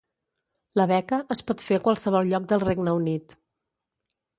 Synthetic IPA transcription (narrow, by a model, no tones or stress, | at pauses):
ləβɛkəʔəspɔt̪feəkwalˠsəβ̞ɔlˠʎɔk̚d̪əlˠreɡnəunit̪